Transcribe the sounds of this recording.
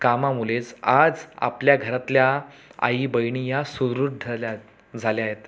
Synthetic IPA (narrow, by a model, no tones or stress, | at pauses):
kamamulet͡sad͡za̰pljaɡʱəɾat̪ljaa̰ibəjɳijasuɾuʈd͡zʱa | d͡zʱaljaɦet̪